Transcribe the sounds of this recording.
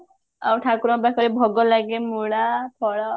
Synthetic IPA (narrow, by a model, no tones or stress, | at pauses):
a̰wʈʰakuɾɔbakʰɔɾebʱɔɡɔlaɡemuɽakʰɔɽa